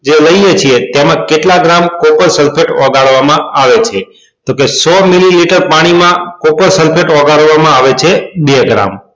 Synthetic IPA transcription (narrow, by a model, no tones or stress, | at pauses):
d͡ʒeləjet͡ʃʰiet̪jemãkeʈlaɡɾamkopəɾsəlpʰeʈɔɡaɭʋamãaʋet͡ʃʰe | t̪okesɔmililiʈəɾpaɽ̃imãkopəɾsəlpʰeʈɔɡaɭʋamãaʋet͡ʃʰebeɡɾa̰m